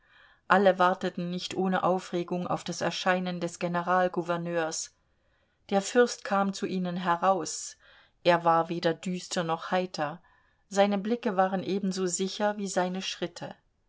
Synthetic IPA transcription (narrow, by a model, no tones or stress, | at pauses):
ʔaləvaɐtətn̩nɪçtʔoːnəʔaʊfʁeːɡʊŋa̰ʊfd̥asɛɐʃaɪnəndɛsɡ̥enəʁaːlɡuvɛɐnøːɐs | d̥eːɐfʏɐstkʰaːmt͡suʔiːnənɦɛʁaʊs | ʔeːɐvaːɐveːdɐdyːstʰɐnɔχhaɪtʰɐ | zaɪnəblɪkəvaːʁənʔeːbmn̩zoːzɪçɐviːzaɪnəʃʁ̥ɪtʰə